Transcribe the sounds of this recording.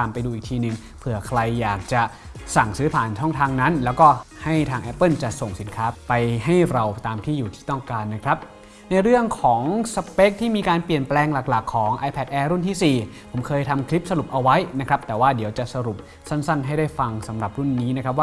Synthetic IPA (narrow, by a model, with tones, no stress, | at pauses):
aː˧mpa˧jduː˧iː˨˩k̚t̪ʰiː˧nɯ˨˩ŋ | pʰɯ˨˩əkʰɾa˧jːaː˨˩k̚t͡ɕa˨˩ | sa˨˩ŋsɯː˦˥pʰaː˨˩nt͡ɕʰɔ˥˩ŋt̪ʰaː˧ŋna˦˥nlɛː˦˥wkɔː˥˩ | ha˥˩jt̪ʰaː˧ŋʔɛ˦˥pːɯ˥˩nt͡ɕa˨˩so˨˩ŋsi˩˦nkʰaː˦˥pa˧jɦa˥˩jɾa˧wt̪aː˧mt̪ʰiː˥˩juː˨˩t̪ʰi̥ː˥˩t̪ɔ˥˩ŋkaː˧nːa˦˥kʰɾa˦˥p̚ | na˧jɾɯ˥˩əŋkʰɔː˩˦ŋsa˧pe˦˥k̚t̪ʰiː˥˩miː˧kaː˧npli˨˩ənplɛː˧ŋla˨˩k̚la˨˩kʰːɔː˩˦ŋʔa˧jpʰɛ˨˦˩t̪̚ʔɛː˧ɾu˥˩nt̪ʰiː˥˩siː˨˩ | pʰo˩˦mkʰɤː˧jt̪ʰa˧mkʰli˦˥p̚sa˧ɾu˨˩p̚ʔa˧wa˦˥jna˦˥kʰɾa˦˥p̚t̪ɛː˨˩waː˥˩di˨˩˦əwt͡ɕa˨˩sa˧ɾu˨˩p̚ | sa˥˩nsa˥˩nɦa˥˩jdaː˥˩jfa˧ŋsa˩˦mɾa˨˩p̚ɾu˥˩nːiː˦˥na˥kʰɾa˦˥p̚waː˥˩